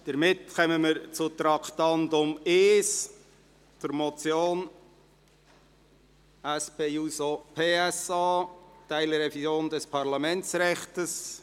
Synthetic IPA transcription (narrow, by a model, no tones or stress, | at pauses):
d̥əɾmɪtkœməməɾt͡sʊt̪ɾɑkt̪ɑndʊmeːs | t͡sʊɾmot͡sjoːn | ɛspeːusopʰeːɛsɑːtæɪləɾɛfizjoːndɛspʰɑɾlɑmɛnt͡sɾɛχtəs